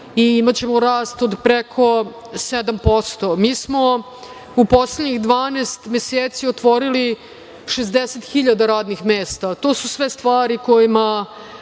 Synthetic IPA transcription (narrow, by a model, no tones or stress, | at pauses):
iimat͡ɕemoɾaːst̪od̪pɾekʰo̞ | sed̪ampo̞st̪omiːsmo̞ | upo̞sleɲiɣd̪ʋaːneːst̪meseːt̪siot̪ʋo̞ɾili | ʃezd̪eset̪xiʎad̪aɾaːd̪nixmeːst̪at̪o̞ːsusʋest̪ʋaːɾiko̞jima